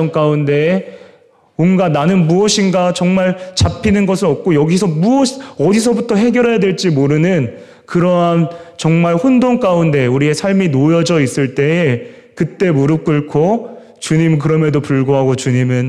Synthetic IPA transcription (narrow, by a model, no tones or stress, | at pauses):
ʌŋk͈aunde̞ | onɡananɯnmuʌɕʰinɡat͡ɕʌŋmaɭt͡ɕapʰinɯnɡʌsʰɯɾʌp̚k͈ojʌɡisʰʌmuʌɕʌdis̬ʰʌbutʰʌɦe̞ɡjʌɾɦejadweɭt͡ɕ͈imoɾɯnɯn | kɯɾʌant͡ɕʌŋmaɭɸondoŋk͈aunde̞uɾie̞sʰaɭminojʌd͡ʑʌis͈ɯɭt͈e̞e | kɯt͈e̞muɾɯp̚k͈ɯɭkʰo | t͡ɕuɲimk̬ɯɾʌmedopuɭɡoɦaɡot͡ɕuɲimɯn